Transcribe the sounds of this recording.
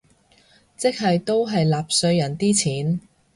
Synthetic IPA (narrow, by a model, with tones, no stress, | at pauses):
t͡sɪ˥k̚ɦɐ˨jt̪o˥wɦɐ˨jlaː˨p̚sɵ˧ɥjɐ˨˩nt̪iː˥t͡sʰiː˨˥n